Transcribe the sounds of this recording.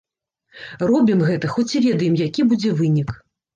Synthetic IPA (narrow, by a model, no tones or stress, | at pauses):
rɔbʲimɣɛt̪ɐxɔt͡sʲivʲɛd̪ɐjɛmjakʲibud͡zʲɛvɨnʲik